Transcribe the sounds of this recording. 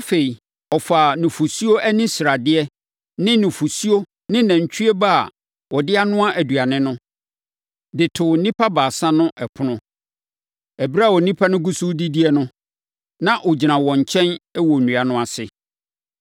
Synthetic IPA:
a˦fe˨i˨ | ɔ˨fa˨nʊ̃˨fu˨su˦o˦ʔæ˦nĩ˦sɾa˨dɪ˦ɛ˦ | nɪ̃˦nʊ̃˨fu˨su˦o˦ | nɪ̃˦nɛ̃˨ɲ˨t͡ɕʰᶣy˦ɛ˦ba˦a̰˨ | wɔ˨dɪ˦a˦nʊ̃˦a˦ʔæ˨du˨a˨nɪ̃˦nʊ̃˦ | dɪ˨tʰʊ˨˦nĩ˦pʰa˦baː˨sã˦nʊ̃˦ʔɛ˨pʰʊ˦nʊ̃˦ | ɛ˨bɾa˦˨wɔ˨nĩ˦pʰa˦nʊ̃˦ɡu˦su˦di˦di˦ɛ˦nʊ̃˦ | nã˦ʔɔ˨d͡ʑi˨nã˨wɔ̃˨ɲ˨t͡ɕʰɛ̃˦nɛ˦wɔ˨nũ˨a˨nʊ̃˦a˨sɪ˨

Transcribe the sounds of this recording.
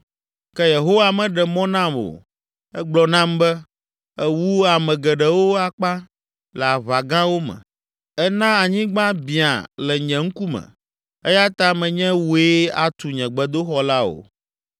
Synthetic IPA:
kɛ˦je˨ɦo˦wa˨mɛ̃˨ɖɛ˨mɔ̃˦nã˦mo̰˨ | ɛ˦ɡ͡blɔ˨nã˦m˦bɛ˦ | ɛ˦wu˦a˨mɛ̃˨ɡɛ˨ɖɛ˨wo˦a˨k͡pa˦ | lɛ˨a˨βa˨ɡã˦wo˦mɛ̰̃˨ | ɛ˦nã˦a˨ɲĩ˦ɡ͡bã˦bĩ˨a̰˨lɛ˨ɲɛ̃˨ŋ̩˦ku˦mɛ̰̃˨ | ɛ˦ja˦t̪a˦mɛ̃˨ɲɛ̃˦wu˦e˦a˨t̪u˨ɲɛ̃˨ɡ͡bɛ˨d̪o˦xɔ˨la˦o̰˨

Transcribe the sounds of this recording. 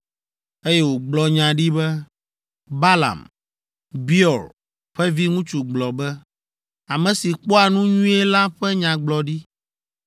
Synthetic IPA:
e˦jɛ˦wo˨ɡ͡blɔ˦ɲã˨ɖi˦bɛ˦ | ba˦la̰˨m | bi˦ɔ˨l | ɸɛ˦vi˦ŋũ˦t͡ʃu˨ɡ͡blɔ˨bɛ˦ | a˨mɛ̃˨si˨k͡pɔ˦a˨nũ˦ɲũ˦ɛ˦la˦ɸɛ˦ɲã˨ɡ͡blɔ˨ɖi˦

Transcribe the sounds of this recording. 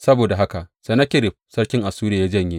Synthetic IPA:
sɐ˦boː˨da˨ɦa˦ka˨ʔsa˨na˦kʲɪ˦ɾɪ˨ɸ̚sɐ˦rkʲɪ˦ŋʔa˨suː˦ɾeː˨ja˦d͡ʒɐ˦˨ɲji˦

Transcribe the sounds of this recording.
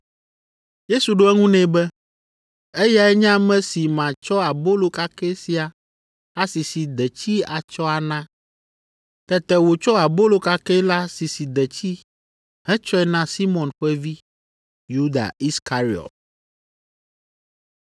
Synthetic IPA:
je˦su˨ɖo˦ɛ˦ŋũ˦nɛ̃˨bɛ˦ | e˦ja˦ɛ˦ɲã˦mɛ̃˦si˨mã˨t͡ʃɔ˦a˨bo˦lo˨ka˦kɛ˦si˨a˨ | a˦si˨si˨d̪ɛ˨t͡ɕi˦a˨t͡ʃɔ˦a˨nã˦ | t̪ɛ˨t̪ɛ˨wo˨t͡ʃɔ˦a˨bo˦lo˨ka˦kɛ˦la˦si˨si˨d̪ɛ˨t͡ɕi˦ | ɦɛ̃˦t͡ʃɔ˦ɛ˨nã˦si˦mɔ̃˨nɸɛ˦vi˦ | ju˦d̪a̰˨i˦ska˦ɾi˨ɔ̰˨t̪̚

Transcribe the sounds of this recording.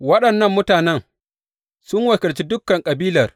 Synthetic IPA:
wɐ˦ɗɐ˨nːɐ˦mːʊ˦taː˨nɛ˦ŋ | sʊ˦ŋwɐ˨kʲɪ˨lt͡ʃi˦dʊ˦kːɐ˨ŋkʼɐ˨biː˦lɐ˨r

